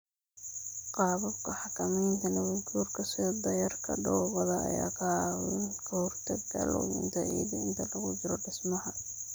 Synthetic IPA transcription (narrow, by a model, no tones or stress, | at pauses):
qɑːβɐbkʰɐħɑkʰɐmɛjnt̪ʰɐnɐwɐt͡ʃuːrkʰɐsɪd̪ɐjɐrkʰɐ̰ɖɔːβɐðɐɐ̰ja̰ːkʰɐwɪ̰nkʰɐhɔrt̪ʰɐɡɡɐ̰lɔ̰wɪ̰nt̪ʰɐj̰ɣɐɪnt̪ʰɐlɐɣʊd͡ʒɪɾɔɖɪsmɐɦɐ